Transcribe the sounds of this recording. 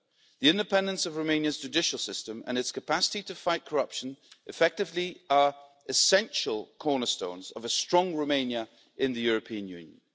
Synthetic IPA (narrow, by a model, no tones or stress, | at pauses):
ðiɪ̃ndɪpʰɛ̃ndə̃nsəvɹoʊmẽɪ̃njəzd͡ʒɨdɪʃəl̩ˠsɪstə̃mə̰̃nɪtskʰəpʰasɪ̥titʰəfaɪʔ̚kʰəɹʌpʃə̃nʔɪfɛk̚tɪvliə | ʔɪsɛ̃nʃəlˠkʰɔːnəstõ̰ʊ̃nzəvəstɹ̥ɒ̃ŋɹoʊmẽɪ̃njə | ʔɪ̃nðəjʊɹəpʰĩə̃njʉ̰̃njə̰̃n